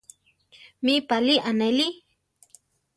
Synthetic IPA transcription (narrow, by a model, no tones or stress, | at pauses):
mipaliʔaneli